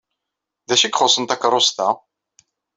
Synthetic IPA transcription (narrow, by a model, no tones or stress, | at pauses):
ðæʃikχosˤənt̪ækɾˤost̪ɑ